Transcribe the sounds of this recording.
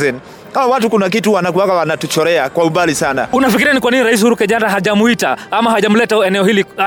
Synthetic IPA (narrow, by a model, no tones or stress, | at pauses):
ɛn | kawatukunak̬ituwanak̬uwakawanatut͡ʃɔɾɛakwaumbalisana̰unafikiɾianikwaniniɾais̬huɾukɛʄandaɦaʄamuita̰amaɦaʄam̩lɛtaɛnɛɔhili